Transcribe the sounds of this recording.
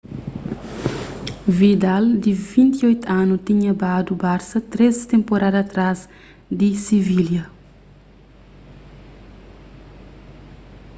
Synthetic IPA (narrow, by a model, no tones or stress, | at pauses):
vid̪ald̪ivĩnt̪iojt̪uanut̪iɲɐbad̪ubaɾsɐt̪ɾezt̪ẽmpoɾad̪ɐaːt̪ɾaz | d̪isiviljɐ